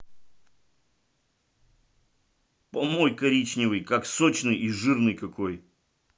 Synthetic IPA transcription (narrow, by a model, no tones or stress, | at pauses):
pɐmojkɐɾʲit͡ɕnʲɪvɨjkaksot͡ɕnɨjiʐɨrnɨjkɐkʰoj